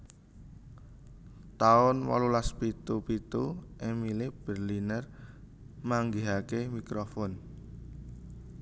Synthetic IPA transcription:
t̪aʊnwɔ̰lulaspit̪upit̪uʔemilib̥ərlinər | maŋɡiɦakemikɾofɔn

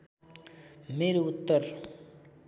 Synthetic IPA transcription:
meːɾeʊt̪ːəɾ

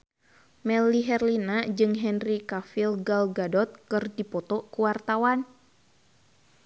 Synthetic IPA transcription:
mɛliɦɛrlinad͡ʒɨŋɦɛnrikafilɡalɡadɔt̪̚kɨrdipɔt̪ɔkuwart̪awan

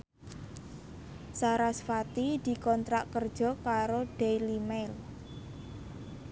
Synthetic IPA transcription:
saɾasfat̪id̪̥i̤kɔnt̪ɾaʔkərd̥ʒ̥ɔ̤kaɾoɖ̥ɛjlimel

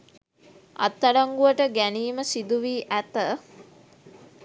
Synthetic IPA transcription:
a̰t̪ːaɾaŋɡuʋəʈəɡæniːməsid̪uʋiːʔæt̪ə

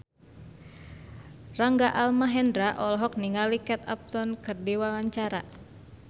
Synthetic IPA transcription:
raŋɡaʔalmaɦɛndɾaʔɔlɔɦɔk̚niŋalikɛt̪a̰p̚t̪ɔnkɨrdiwawaɲt͡ʃaɾa̰

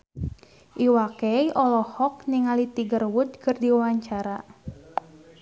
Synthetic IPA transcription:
ʔiwakɛjʔɔlɔhɔk̚niŋalit̪iɡərwʊd̪̚kərdiwawaɲt͡ʃaɾa

